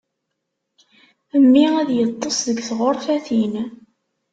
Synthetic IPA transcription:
əmːiæðjət̪ˤːosðəɡθʁoɾˤθæθin

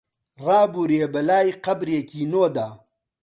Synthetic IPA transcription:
ɾaːbuɾjebɐlaːjqɐbɾjekiːnoːd̪aː

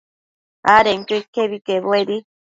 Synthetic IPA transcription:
aɾeŋkuikeβikeβweɾi

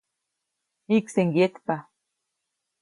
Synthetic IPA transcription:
hikseŋɡjet̪pa

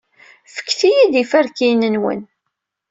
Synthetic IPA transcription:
fə̥kːθijid̪ifæɾkinənwə̰n

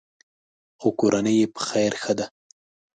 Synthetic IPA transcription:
okoɾʔanəjepə̥xajɾxəd̪a

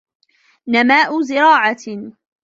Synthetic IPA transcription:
namaːʔʊzɪɾɑːʕa

